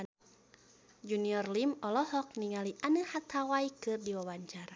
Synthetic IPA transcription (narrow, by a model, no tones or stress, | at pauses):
d͡ʒuniɔrlimɔlɔhɔk̚niŋaliʔanəhat̪ʰawaikɨrdiwawaɲt͡ʃaɾa